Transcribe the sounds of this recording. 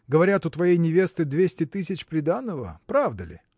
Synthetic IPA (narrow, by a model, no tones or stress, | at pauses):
ɡəvɐɾʲat̪ʊt̪vɐjejnʲɪvʲe̞st̪ɨd̪vʲesʲtʲɪt̪ɨsʲɪt͡ɕpɾʲɪd̪anːəvə̰pɾavd̪əlʲɪ̰